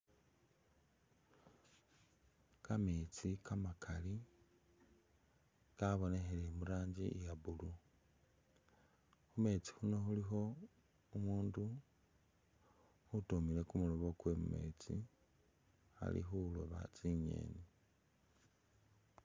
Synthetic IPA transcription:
kamet͡sikʰamakʰali | kaβo̞ne̞xelemuɾaːɲd͡ʒḭjaβulu | xume̞ːt͡si̥huno̞xulixo̞ | umuːndu | utomile̞kumuloβo̞kwemṵme̞̰ːt͡sḭ | a̰lḭxuloβa̰t͡siɲe̞̰ːni

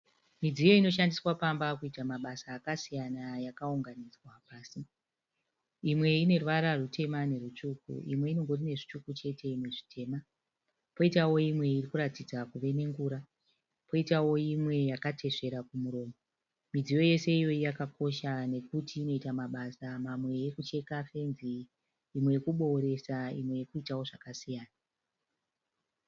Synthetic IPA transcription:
mid͡zijo̞ino̞ʃandiswapambakuitamaɓasaːkasijanajakauŋɡanid͡zwapaːsi | imwe̞ine̞rʋaɾarutʰe̞mane̞rut͡ʃukṵʔḭmwe̞ino̞ŋɡo̞rine̞ʐit͡ʃukut͡ʃe̞te̞meʐitʰe̞ːma | po̞itawo̞imwe̞irikuɾatid͡zakuʋe̞ne̞ŋɡuːɾa | po̞itawo̞imwe̞jakatʰe̞ʂe̞ɾakumuɾo̞ːmo | mid͡zijo̞je̞se̞ijo̞ijakako̞ʃane̞kutiːno̞itamaɓasamamwe̞jekut͡ʃe̞kafe̞nziː | mwejekuɓo̞ɾe̞saḭmwe̞jekuitawo̞ʐakasijaːna

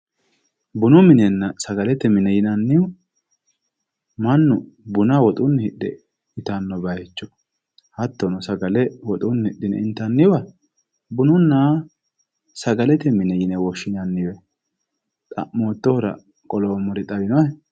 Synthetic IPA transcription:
bʊnʊmɪnɛnːɐsɐɡɐlɛt̪ːɛmɪnɛjɪnɐnːɪʊ | mɐnːʊ | bʊnɐwɔt̪ʼʊnːɪhɪɗːɛ̰ | ɪt̪ɐnːɔbɐjɛt͡ʃːɔ | hɐt̪ːɔnɔsɐɡɐlɛwɔt̪ʼʊnːhɪɗːɪnɛ̰ɪnt̪ːɐnːɪwɐ | bʊnʊnːa | sɐɡɐlɛt̪ɛmɪnɛjɪnɛwɔʃːɪnɐnːɪwɛ | t̪ʼɐ̰ʔmoːt̪ːɔhʊɾɐ̰ | kʼɔloːmɔɾɛt̪ʼɐbɪnɔɛ

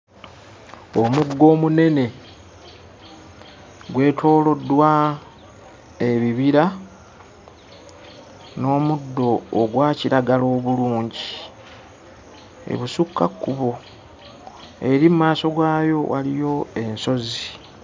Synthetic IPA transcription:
omuɡːo̞ːmune̞ne̞ | ɡwe̞ːtʰo̞ːlo̞dːwa | eβiβiɾa | no̞ːmudːo̞ːɡwaːciɾaɡalo̞ːβuluːɲɟi | ḛβusukːakːuβo̞ | e̞ɾimumaːso̞ɡwaːjo̞wʔa̰lijo̞e̞nso̞zi

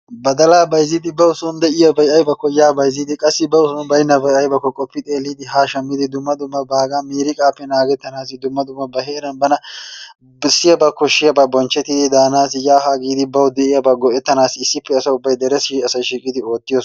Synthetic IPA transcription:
bɐd̪ɐlaːbɐjzːɪd̪ɪbɐʊsʊnd̪ɛʔɪjɐbɐjɐjbɐkːɔjaːbɐjzɪd̪ɪkʼɐsːɪbɐʊsɔnbɐjnːɐbɐjʔɐjbɐkːɔkʼɔpːɪt̪ʼe̞ːlːid̪ɪɦaːʃɐmːɪd̪ɪd̪ʊmːɐd̪ʊmːɐbaːɡamiːɾɪkʼaːpːɛnaːɡɛt̪ːɐnaːs̬ɪd̪ʊmːɐd̪ʊmːɐbɐɦeːɾɐnbɐnɐ | bɪsːɪjɐbɐkːɔʃɪjɐbɐbɔnt͡ʃːɛt̪ːɪd̪ɪd̪aːnaːsɪjaːɦaːɡiːd̪ɪbɐwd̪ɛʔɪjɐbɐɡɔʔɛt̪ːɐnaːsɪɪsːɪpːɛːsɐʊbːɐjd̪ɛɾɛsiːɐsɐjʃiːkʼɪd̪ɪo̞ːt̪ːɪjɔs

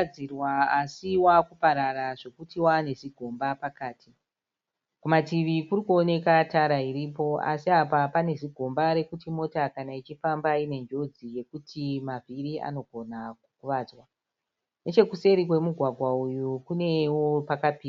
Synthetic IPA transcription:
irwaasiwakupaɾaraʐe̞kutiwane̞ʐiɡʱo̞mbapakaːtʰi | kumatiʋikurikuo̞ne̞kataɾaiɾipo̞a̰siapapane̞ʐiɡʱo̞mbaɾe̞kutimo̞takanait͡ʃifambaine̞nd͡ʒo̞d͡zije̞kutʰimaviriʔa̰no̞ɡʱo̞nakkuʋaːd͡zwa | ne̞t͡ʃe̞kuse̞ɾikwe̞muɡʱwaɡʱwaujukune̞wopakapiːa

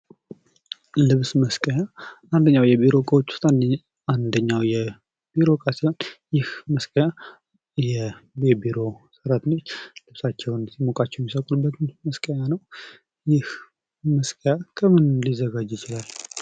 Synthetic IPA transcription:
lɨβsməskʼəjaand̪əɲːawjɛbiɾo̞kʼəot͡ʃːu̥st̪ʼan | and̪əɲːawjɛ | biɾo̞kʼasiho̞njɪhməskʼəja | jɛjɛbiɾo̞sɨɾat̪nəɲlɨβsat͡ʃːɛwnsimokʼat͡ʃːɛwjɛmːisəkʼulubːət̪nməskʼəɲanəw | jɪh | məskʼəjakʰəmɨnlizəɡad͡ʒːjɪt͡ʃɪlal

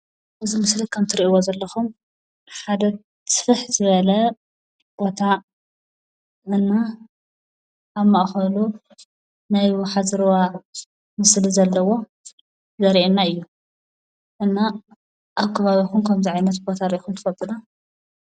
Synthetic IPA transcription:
ʔɨzimɨslɨkʰɐmt̪ʰɨɾiʔiwozɐlːɐxum | ħad̪ɐ | sfɨħzɨβɐlɐ | b̥o̞t̪ʰa | ʔɨnːa | ʔːβmaʔxɐlu | najwħazɨɾwa | mɨslizɐlːɐwo̞ | zɐɾiʔenːaɨjːu | ʔɨnːa | ʔaβkʰɐβaβixunkʰɐmziʕajnɐt̪bot̪ʰaɾiʔixunt̪ʰɨ̥fɐlt̪ʼɨna

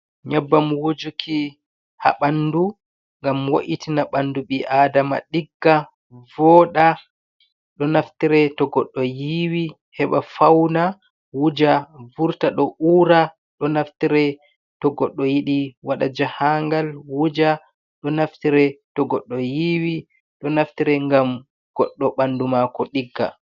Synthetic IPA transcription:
ɲabːamwod͡ʒukʰi | ha̰ɓandu | ŋɡamwoʔitinaɓanːduɓiʔadama̰ɗiɡːa | vɔːɗa | ɗɔnaftiɾɛtɔɡɔɗːɔjiwi | hɛɓafawna | wud͡ʒavuɾtaɗɔʔuːɾa | ɗɔnaftiɾɛ | tɔɡɔɗːɔjiɗiwaɗad͡ʒahaŋɡalwud͡ʒa | ɗɔnaftiɾɛtɔɡɔɗːɔjiwi | ɗɔnaftiɾɛŋɡam | ɡ̥ɔɗːɔɓandumakɔɗiɡːa̰

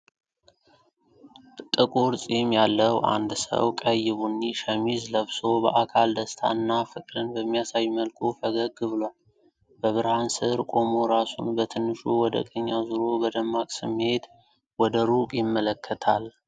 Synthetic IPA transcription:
t̪ʼɨkʼuɾsʼemjalːəwʔa̰nd̪sə̰wkʼəjɪβunːiʃəmizləβso̞bə̰ʔakʰald̪əst̪ʰa̰ɨnːafɨkʼɾɨnbəmːijasajməlkʰufəɡəɡɨβɨlwal | bəβɨɾhansɨɾkʼo̞mo̞ɾasṵnbət̪ʰɨnːɨʃuwɔd̪ə̰kʼəɲːazɨɾo̞bəd̪əmːakʼsɨmːe̞t̪ | wɔd̪əɾukʼjɪmːələkʰːət̪ʰal

